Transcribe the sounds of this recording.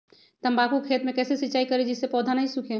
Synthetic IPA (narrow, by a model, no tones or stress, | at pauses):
t̪ɐmbaːkukʰeːt̪mẽkɛːsesitːt͡ʃaːikɐɾed͡ʒɪsːepɔːd̪ʱanaɦisukʰẽ